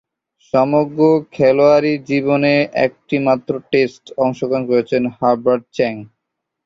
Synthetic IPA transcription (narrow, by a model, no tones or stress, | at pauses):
ʃɔmoɡɾokʰɛloaɾid͡ʑiboneʔɛ̰k̚ʈimat̪ːɾoʈesʈɔŋʃokankoɾet͡ɕʰenhaɾbaɾɖ̚t͡ɕɛŋ